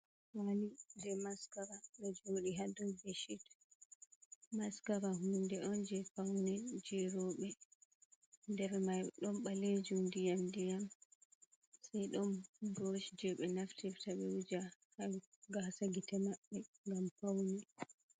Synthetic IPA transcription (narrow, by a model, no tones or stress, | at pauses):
wanid͡ʒɛmaskaɾaɓɛd͡ʒoɗiɦadɔnɡeʃit | maskaɾaɦundɛʔɔnd͡ʒɛpawnɛd͡ʒɛɾɔɓɛ | dɛɾɛmajɗɔnɓaled͡ʒumdijamdijam | sajɗɔnbɔʃd͡ʒɛɓɛnaftiftaɓɛwud͡ʒahaɡasaɡitɛmaɓːɛŋɡampawni